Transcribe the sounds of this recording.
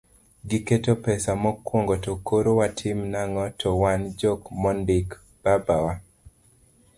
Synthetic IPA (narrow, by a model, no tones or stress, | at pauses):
ɡiketopɛsamɔkwoŋɡotokoɾowatʰɪmnaŋɔtʰɔwand͡ʒokmɔndɪk | b̥abawa